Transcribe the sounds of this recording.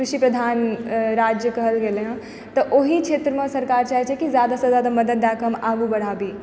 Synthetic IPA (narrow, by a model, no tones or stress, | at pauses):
kɾʊʃipɾɐd̪ʱaːnɾaːd͡ʒjəkɐɦəlɡelẽɦã | t̪ɐʔoɦikt͡ʃʰeːt̪ɾəmə̃sɐɾkaːɾt͡ʃaːɦit͡ʃʰekizjaːd̪asazad̪amɐd̪əd̪̚ːaːkɐmaːɡubɐɽ̤aːbiː